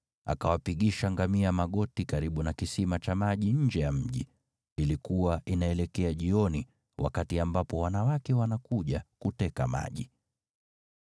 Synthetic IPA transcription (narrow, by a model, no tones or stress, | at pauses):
a̰kawapiɠiʃaŋɡamiamaɠɔtikaɾiɓunakisimat͡ʃamaʄiɲ̩d͡ʒɛjam̩ʄi | ilikuwaʔinaɛlɛkɛaʄiɔni | wʔa̰katiambapɔwanawakɛwanakuʄakutɛkama̰ʄi